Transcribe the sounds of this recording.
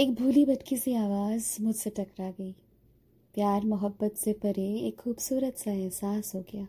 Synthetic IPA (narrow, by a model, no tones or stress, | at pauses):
eːk̚bʱuːlibɐʈkisiaːʋaːzmʊd͡ʒseʈɐkɾaɡɐiː | pjaːɾmʊɦəbːət̪sepɐɾeeːkxuːbsuːɾət̪saɦɛ̃saːsɦoːɡɪjaː